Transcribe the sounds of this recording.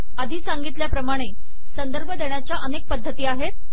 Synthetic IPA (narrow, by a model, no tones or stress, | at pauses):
əd̪ʱiːsaŋɡit̪ljapɾəmaɽ̃e | sənd̪əɾbʱəd̪eɳ̃jat͡ɕjaʔənek̚pəd̪ʱːət̪iːaɦet̪̚